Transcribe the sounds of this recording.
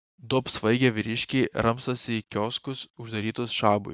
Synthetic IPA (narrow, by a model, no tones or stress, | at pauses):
d̪opsʋɐɪɡʲɛʋʲɪɾʲɪʃʲkʲɛːɾɐmst̪osʲɪikʲoːskʊsʊʒd̪ɐɾʲiːt̪ʊsʃɑːbʊ̰ɪ